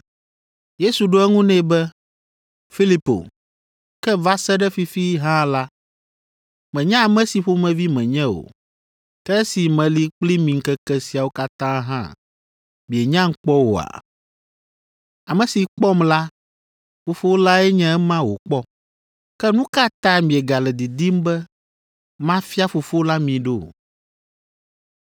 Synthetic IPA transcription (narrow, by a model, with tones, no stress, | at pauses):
je˦su˨ɖo˦ɛ˦ŋũ˦nɛ̃˦bɛ˦ | fi˦li˨˦po̰˨ | kɛ˦va˦sɛ˦ɖɛ˦fi˨fi˦ɦã˦la˦ | mɛ̃˨ɲã˦a˨mɛ̃˦si˨ɸo˦mɛ̃˨vi˦mɛ̃˨ɲɛ̃˦o̰˨ | kɛ˦si˨mɛ̃˨li˨˦k͡pli˦mĩ˨ŋ̩˦kɛ˦kɛ˦si˨a˨wo˦ka˦t̪ã˦ɦã̰˦ | mĩ˨e˨ɲã˦ŋ̩˦k͡pɔ˦wo̰˨a̰˨ | a˨mɛ̃˨si˨k͡pɔ˦mla˦ | fo˨fo˦o˦la˦ɛ˦ɲɛ̃˦ɛ˦mã˦wo˨k͡pɔ˦ | kɛ˦nũ˦ka˦t̪ã˦mĩ˨ɛ˨ɡa˨lɛ˨d̪i˨d̪i˦m˦bɛ˦ | mã˦fi˦a˦fo˨fo˦o˦la˦mĩ˨ɖo˦˨